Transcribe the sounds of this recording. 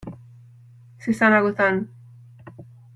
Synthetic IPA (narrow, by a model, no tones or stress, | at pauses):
sesanaɣoθan